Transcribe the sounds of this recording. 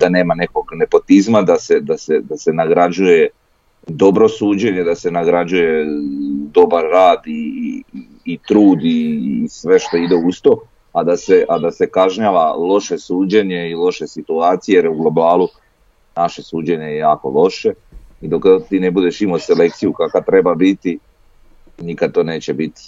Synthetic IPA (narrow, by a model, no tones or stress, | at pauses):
d̪ane̞ːmane̞ko̞ɡne̞po̞t̪izmad̪ase̞d̪ase̞d̪ase̞naɡɾad͡ʑuje̞ | d̪o̞bɾo̞suːd͡ʑe̞ɲe̞d̪ase̞naɡɾad͡ʑuje̞ | d̪o̞baɾːaːd̪iː | t̪ɾuːd̪isʋe̞ʃt̪o̞id̪e̞ust̪o̞ | ad̪ase̞ʔad̪ase̞kaʒɲaʋalˠo̞ʃe̞suːd͡ʑe̞ɲe̞ilo̞ʃe̞sit̪uaːt̪sijejeɾjuɡlo̞baːlu | naʃe̞suːd͡ʑe̞ɲe̞jejaːko̞̰lo̞ʃe̞ | id̪o̞kt̪iːnebud̪e̞ʃimose̞le̞kt̪sijukakat̪ɾe̞babit̪i | nikad̪̚t̪o̞ːne̞ːt͡ɕebit̪i̥